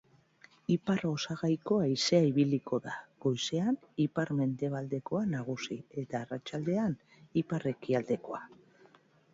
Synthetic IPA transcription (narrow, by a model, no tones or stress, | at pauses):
ipaɾo̞saɣajko̞aise̞aiβiliko̞ðaɣ̥o̞jse̞an | ipaɾme̞nd̪e̞β̞ald̪e̞ko̞anaɣ̞usie̞t̪aːrat͡ʃald̪e̞an | ipare̞kiald̪e̞ko̞a